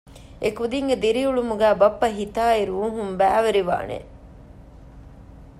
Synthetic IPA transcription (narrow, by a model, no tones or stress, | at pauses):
ʔekud̪iŋɡed̪iɾiuɭumuɡæːbɐpːɐɦit̪aːiɾuːɦumbæːʋeɾiʋa̰ːnḛ